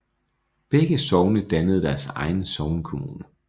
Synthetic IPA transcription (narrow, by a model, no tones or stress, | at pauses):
b̥eɡ̥əsɒʊnəd̥ænəð̞̩ˠd̥æɐsɑ̈ɪn̩sɒʊnkʰo̝muːnə